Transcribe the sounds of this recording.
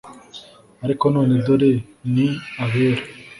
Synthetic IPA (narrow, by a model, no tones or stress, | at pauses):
aɾikonoːnid̪oɾeniaβeːɾe